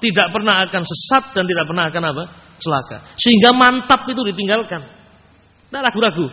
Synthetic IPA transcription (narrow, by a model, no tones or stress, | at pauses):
t̪idaʔpərnaɦakansəsat̪̚d̥ant̪idaʔpərnaɦakanapa | t͡ʃəlaka̰səɦiŋɡamant̪apit̪̬udit̪iŋɡalkan | daɾaɡ̥uɾaɡu